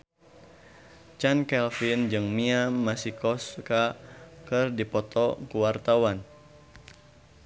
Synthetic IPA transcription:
t͡ʃankɛlfind͡ʒɨŋmiamasikɔskakɨrdipɔt̪ɔkuwart̪awan

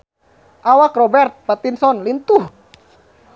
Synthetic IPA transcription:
ʔawakrɔbɛrt̪̚pat̪insɔnlint̪uh

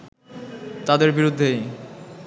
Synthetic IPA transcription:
t̪ad̪eɾbiɾud̪ʱːej

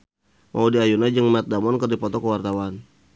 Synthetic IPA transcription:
mʔaudiajunad͡ʒəŋmat̪̚damɔnkərdipɔt̪ɔkəwart̪awan

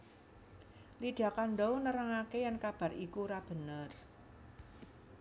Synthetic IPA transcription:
lid̥a̤kanɖɔwnəɾaŋakejankab̥a̤ɾikuɾab̥ə̤nər

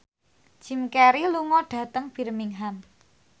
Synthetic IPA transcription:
ʒ̥i̤mkɛɾiluŋɔɖ̥ä̤t̪əŋb̥i̤rmiŋɦam

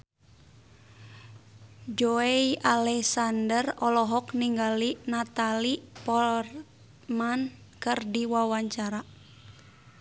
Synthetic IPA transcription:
d͡ʒoeialɛksandərɔlɔɦɔkniŋɡalinat̪alipɔr | man | kɨrdiwawaɲt͡ʃaɾa

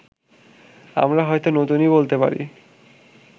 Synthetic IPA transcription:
a̰mɾaɦɔet̪onot̪unibolt̪epa̰ɾḭ

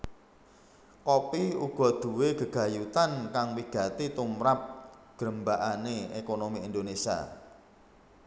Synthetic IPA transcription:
kopiuɡ̥ɔ̤d̪̥ṳweɡ̥ə̤ɡ̥ä̤jut̪ankaŋwiɡ̥a̤t̪it̪umɾap̚ɡ̥ɾəmbaʔaneekonomiind̪onesia̰

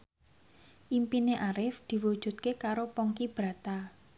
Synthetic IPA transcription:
ʔimpineʔaɾɪfd̪̥i̤wud̥ʒ̥ṳt̪̚kekaɾopɔŋkib̥ɾa̤t̪a

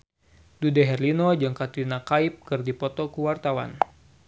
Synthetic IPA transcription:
dudɛɦɛrlinɔd͡ʒəŋkat̪inakaip̚kɨrdipɔt̪ɔkuwart̪awa̰n

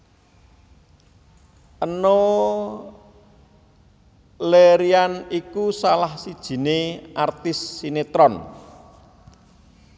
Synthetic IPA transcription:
ʔəno | leɾianikusalahsid̥ʒ̥i̤neʔart̪ɪsːinet̪ɾɔn

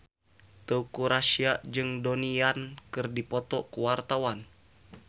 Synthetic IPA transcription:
t̪əukuɾasiaʔd͡ʒɨŋdoniankɨrdipɔt̪ɔkuwart̪awan

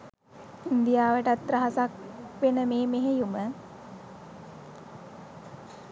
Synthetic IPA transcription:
ind̪ijaːʋəʈat̪ːɾəɦasakʋenəmeːmeɦejumə

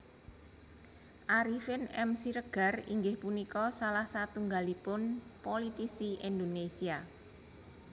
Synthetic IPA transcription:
ʔaɾifɪnɛmsiɾəɡ̥a̤rḭŋɡɪhpunikɔsalahsat̪uŋɡalipʊnpolit̪isiʔind̪onesia

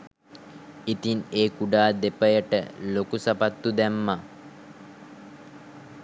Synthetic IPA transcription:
it̪ineːkuɖaːd̪epəjəʈə̰lokusapat̪ːud̪æmːa

